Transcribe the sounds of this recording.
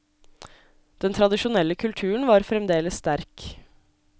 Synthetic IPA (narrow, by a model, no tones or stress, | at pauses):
d̪̥ɛnt̪ʰɾɑd̪ɪʃʊnɛlːəkʰʉlt̪ʰʉːɳ̩ʋɑːɾfɾɛmd̪eːləsst̪æɾk